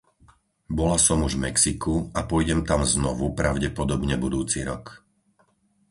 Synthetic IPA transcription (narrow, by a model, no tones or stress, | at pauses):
bɔlasɔmuʒvmɛksikuapɔjɟɛmt̪amznɔʋupɾaʊɟɛpɔd̪ɔbɲɛbud̪uːt͡siɾɔk